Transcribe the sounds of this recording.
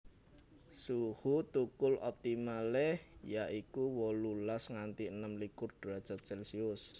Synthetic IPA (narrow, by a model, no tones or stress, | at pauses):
suhut̪ukʊlʔɔ̰p̚t̪imalɛhjaʔikuwɔlulasŋant̪iənəmlikʊrd̥uad̥ʒ̥at̪̚ʒ̥ɛlsiʊs